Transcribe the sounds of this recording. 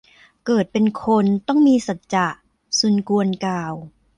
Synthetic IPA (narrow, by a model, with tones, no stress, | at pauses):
kɤː˨˩t̪̚pe˧nkʰo˧nt̪ɔ˥˩ŋmiː˧sa˨˩t̪̚t͡ɕa˨˩ʔ | su˨˩˦nku˧ənkaː˨˩w